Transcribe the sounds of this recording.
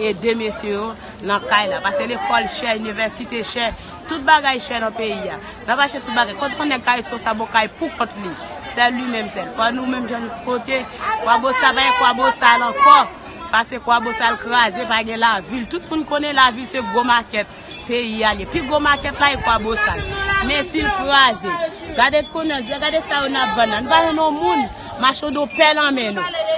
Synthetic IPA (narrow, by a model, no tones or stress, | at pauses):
edemesjejo | nɐ̃kajlapaselekʰɔlʃɛynivɛsit̪eʃɛ | tut̪̚baɡajʃɛnɐ̃peia | nãpaʃɛt̪ut̪̚baɡajkõt̪̬ekõnɛkaeskõsabõkajpukɔ̃tli | sɛlːimɛ̃msɛlfɔnũmɛ̃mʒãnukot̪ekwabosapaɡɛ̃kwabosalɐ̃kɔ | pasekwabosalkʁazepaɡɛ̃lavilt̪ut̪̚mũnkonɛlavilseɡomakɛt̪̚ | peialepiɡomakɛtlaekwabosalmɛ̃silkʁaze | ɡadekonãd͡ziaɡadesajonapvãnːãnũpaʒɛ̃nɔ̃mũn | maʃodopɛlãmɛ̃nũ